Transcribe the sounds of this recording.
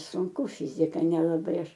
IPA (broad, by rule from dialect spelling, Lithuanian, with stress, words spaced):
sʊŋˈkʊ ˈfʲɪzʲɪkɐ nʲɛlˠɐˈbɐɪ ˈɐʃ